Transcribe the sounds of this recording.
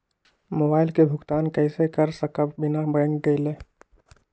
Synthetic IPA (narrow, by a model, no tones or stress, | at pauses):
moːbaːɪlkebʱʊkt̪aːnkəɪsekəɾsəkəbɪnabɛ̃ːŋkɡəɪleː